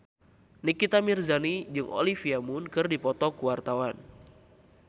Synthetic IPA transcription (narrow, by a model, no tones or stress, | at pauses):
nikit̪amirzanid͡ʒɨŋʔo̰lifiamʊnkɨrdipɔt̪ɔkuwart̪awan